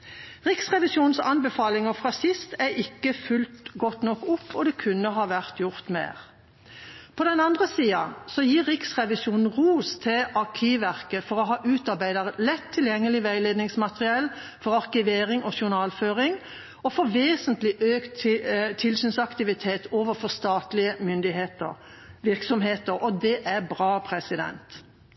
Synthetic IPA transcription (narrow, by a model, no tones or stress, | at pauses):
ʁɪksʁɛʋɪsjuːn̩sɑnbɛfɑːlɪŋəfʁɑːsɪst̪æɪkːəfʉlt̪ɡɔt̪nɔkːʊpːɔd̪ɛkʰʉnːəɦɑːʋæʁt̪jʊʁt̪mḛːʁ | pʰɔd̪ɛnɑnd̪ʁəsiːɑsɔjiːʁɪksʁɛʋɪsuːnn̩ʁuːst̪ʰɪʔɑʁkʰiːʋæʁkəfɔʁɔɦɑːʔʉːt̪ɑʁbæɪd̪əʁlɛt̪ʰːɪljɛŋːəlɪʋæɪleːd̪nɪŋsmɑt̪əʁɪɛl | fɔʁɑʁkɪʋeːʁɪŋʔɔʃʊnɑːlføːʁɪŋ | ɔfɔʋeːsənt̪lɪʔøːkt̪t̪ʰɪlsyːnsɑkt̪ɪʋɪt̪ʰeːt̪ʰoːʋəfɔʁst̪ɑːt̪lɪəmʏnd̪ɪheːt̪ə̰ʁ | ʋɪʁksɔmɦeːt̪əɾɔd̪ɛʔæʁbʁɑːpʰʁɛsɪd̪ɛ̰nt̪